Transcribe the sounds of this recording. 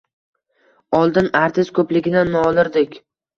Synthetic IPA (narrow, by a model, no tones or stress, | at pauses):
ɒlˠd̪ɪnaɾt̪ʰɪʃkʰɵplɪɡʲɪnanːɒlˠɪɾd̪ɪkʲ